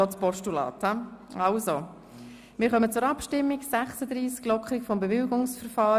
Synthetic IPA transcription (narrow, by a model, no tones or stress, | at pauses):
ɔt͡spɔʃtulɑ̰ːtaɑlzo | mɪːɾχœmət͡sʊɾɑpʃtɪmːiksæχsəd̪ɾiːsɡ̥lɔkʰχɪkfɔmbevɪlɡʊŋsfɛɾfɑː